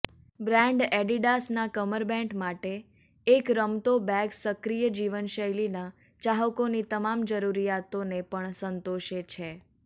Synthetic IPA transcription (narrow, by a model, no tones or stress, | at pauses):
bɾɛ̃ɳɖɛɖiɖasnakəməɾbɛ̃ɳʈmaʈeː | kɾəmt̪obɛɡsəkɾijəd͡ʒiʋənʃəjlina | t͡ʃaɦəkonit̪əmamd͡ʒəɾuɾijat̪onepəɳsənt̪oʃet͡ʃʰe